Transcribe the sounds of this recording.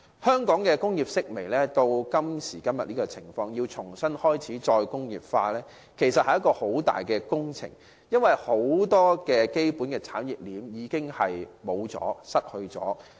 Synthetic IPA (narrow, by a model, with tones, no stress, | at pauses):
hœː˥ŋkɔː˨˥ŋkɛː˧kʊ˥ŋjiː˨p̚sɪ˥k̚me˨˩jlɛː˥t̪o˧wkɐ˥msiː˨˩kɐ˥mjɐ˨t̚niː˥kɔː˧t͡sʰɪ˨˩ŋfɔː˧ŋjiː˧wt͡sʰʊ˨˩ŋsɐ˥nhɔː˥jt͡sʰiː˨˥t͡ʃɔː˧jkʊ˥ŋjiː˨˩p̚faː˧lɛː˥ | kʰe˨˩jsɐ˨t̚hɐ˨jɐ˥kɔː˧ho˨˥wt̪a̰ː˨jkɛː˧kʊ˥ŋt͡sʰɪ̰˨˩ŋ | jɐ˥nwɐ˨jho˨˥wt̪ɔː˥kɛː˧ke˥jpuː˨˥nkɛː˧t͡sʰaː˨˥nji˨p̚liː˨˥mjiː˨˧˥kɪ˥ŋhɐ˨jmo˨˧wt͡sɔ̰ː˨˥sɐ˥t̚hɵ˧ɥt͡sɔ̰ː˨˥